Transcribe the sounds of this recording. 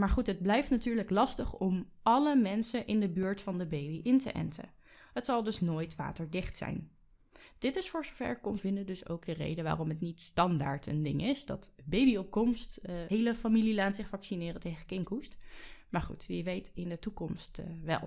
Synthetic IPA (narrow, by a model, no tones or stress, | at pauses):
maːɹχutɦəd̚blɛjftnatyːɹləklɑstəχɔm | ɑləmɛnsəʔɪndəbyːɹtfɑndəbejbiʔɪntə̰ʔɛ̰ntə̰ | ɦətsɑlˠdɵsnoːjtʋa̰ːtəɹdɪχtsɛ̰jn | d̥ɪtɪsfʊːɹzovɛ̰ɹkɔmvɪndədɵso̰wɡdərḛjdəʋa̰ːrɔmɦətnitstɑnda̰ːɹtə̰ndɪŋʔɪsdɑ̰tbejbiɔp̚kɔmstɦejləfamililaːtsɪχfɑksinɪːrəntejχəkɪŋkustmaːɹχṵtʋiʋejtɪndətukɔmstʋɛ̰lˠ